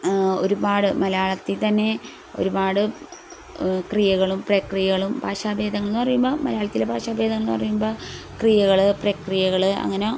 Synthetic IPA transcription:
o̞ɾubaːɽɨmɐlɐjaːɭɐt̪ːit̪ɐnːe̞ | o̞̰ɾubaːɽɨ | krijɐɣɐɭumprɐkrijɐɣɐɭumbʱaːʂaːbʱe̞ːd̪ɐŋːɐɭnːɨpɐrijumboːmɐlɐjaːɭɐt̪ːilebʱaːʂaːbʱeːd̪ɐŋːɭnːpɐrijumboːkrijɐɣɐɭɨprɐkrijɐɣɐɭɨɐ̰ŋːɐneo

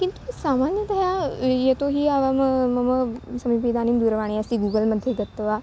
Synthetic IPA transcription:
kɪ̃nt̪usaːmaːnjəd̪əɦajet̪oɦiaʋaməmɐməsɐmip̬id̪aːnimd̪uɾʋaːɽ̃eəst̪iɡuːɡəlməd̪ʱjeɡət̪ːʋaː

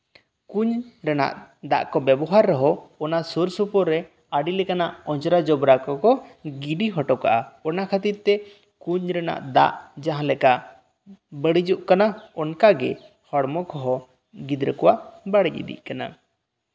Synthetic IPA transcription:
kuɲɾɛna̰ʔd̪a̰ʔkɔbɛbɔɦaɾːɔɦɔɔnasuɾsupɔɾːɛ | aɖilɛkanaʔɔ̃t͡ʃɔɾad͡ʒɔbɾakɔkɔɡiɖiɦɔʈɔka̰ʔaɔnakʰət̪it̪̚t̪ːɛ | kuɲɾɛna̰ʔd̪a̰ʔd͡ʒaɦãlɛka | bəɽid͡ʒuʔkanaɔnkaɡɛ | hɔɽmɔkɔɦɔ | ɡid̪ɾəkɔwaʔbaɽiʔḭd̪ḭʔkana̰

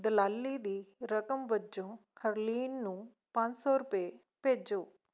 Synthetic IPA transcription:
d̪əlaːlːiːd̪iːɾəkəmʋəd͡ʒõːhəɾliːnːũː | pə̃ɲd͡ʒsɔːɾʊpeː | peːd͡ʒoː

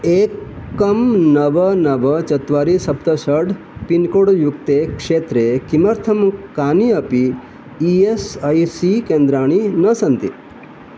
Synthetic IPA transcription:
ekːɐmnɐʋənɐʋɐt͡ʃɐt̪ʋaɾisɐpt̪ɐʃəɽ | pinkoɽjukt̪ekʂeːt̪ɾekimɐɾt̪ʰɐmkaːniɐpiː | esajsikẽnd̪ɾaːɽ̃inəsɐnt̪i

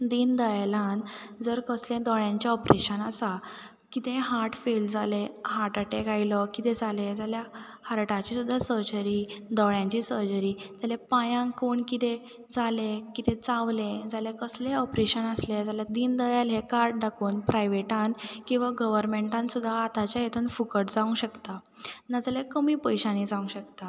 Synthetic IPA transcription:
d̪ind̪əjalãnd͡zəɾkəslẽd̪ɔɭjãɲt͡ɕaɔpɾeɕənasa | kit̪ẽɦaɾʈfeld͡zalehaʈaʈekajlɔkit̪ẽd͡zaled͡zalja | haɾʈãt͡ɕisud̪ʱːasəɾd͡ʑəɾid̪ɔɭjãɲt͡ɕisəɾd͡ʑəɾiːt̪alepajãŋkoɳkit̪ẽ | d͡zalekit̪ẽt͡sãʋled͡zalekəsleɔpɾeɕənəsled͡zaljad̪iːnd̪əjalɦekaɾɖ̚ɖakuːnpɾajʋeʈãnkĩw̃ʋaɡəʋəɾmẽɳʈãnsud̪ʱːaːt̪at͡ɕjajet̪ʰuːnfukəʈd͡zaʋũɕəkt̪a | nad͡zaljakəmiːpəjɕãnid͡zaʋũɕəkt̪a

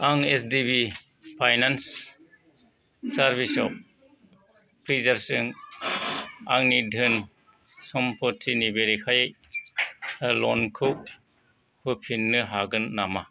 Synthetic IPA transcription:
aŋesdibi | pʰajnans | aɾbisɔ̰p̚ | pɾizaɾsɯŋ | aŋnidʱɯn | sɔmpʰɔtʰinibeɾikʰaj | lɔ̰nkʰɯk̚ | hupʰinːɯɦaɡɯnːama

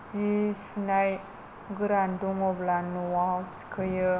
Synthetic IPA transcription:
t͡ʃisinaj | ɡɨɾanduŋoblanːuwawt͡si̥kʰəjə

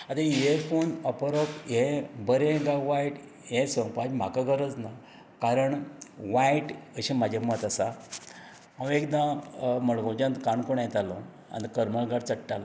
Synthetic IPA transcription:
at̪ajefonəpɾokebəɾẽɡaʋaiʈ | jesɔ̃pad͡ʑm̤a̰kaɡʱəɾət͡sna | kaɾəɳʋajiʈəɕẽmad͡ʑʱamət̪əsa | ãwekd̪ãməɭɡõd͡ʑãnt̪kaɳkoɳjet̪alɔ̃ | a̰nt̪kəɾməlɡaɽt͡səʈʈalɔ

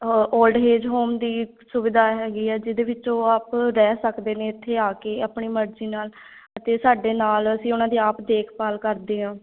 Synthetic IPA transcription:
oːlɖɦeːd͡ʒɦoːmd̪iː | sʊʋɪd̪aːɦɛːɡiːɛːd͡ʒɪd̪eːʋɪt͡ʃõːaːpɾɛːsəkd̪eːnẽːɪt̪ʰːeːaːkeːaːpɳiːməɾd͡ʒiːnaːl | ət̪eːsaːɖeːnaːləsĩːʊnãːd̪iːaːpd̪eːkʰpaːlkəɾd̪eːɦãː

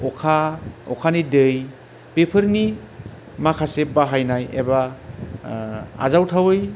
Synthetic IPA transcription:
ɔkʰaɔ̰kʰanidɯj | pepʰəɾni | makʰasebaɦajnajḛba | a̰zawtʰawɯj

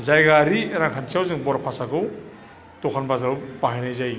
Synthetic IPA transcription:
zajɡaɾiɾaŋkʰansijawzɯŋbɔɾapʰasakʰɯw | tokʰanbazaɾupaɦajnajzaj

